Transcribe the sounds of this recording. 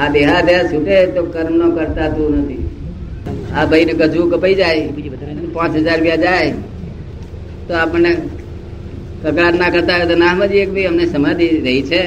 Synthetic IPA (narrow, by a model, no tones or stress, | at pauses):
ad̪eɦad̪eɦasuʈet̪okəɾmnokəɾt̪at̪ũnət̪ʰi | abʱəinekəd͡ʒʱukəpəid͡ʒaj | pãt͡ʃɦəd͡ʒaɾpjad͡ʒaj | t̪oapəɳne | kəkɽaɾnakəɾt̪aɦet̪onaɦməd͡ʒiekbʱiɦəmnesəmãd̪iɾəɦit͡ʃʰe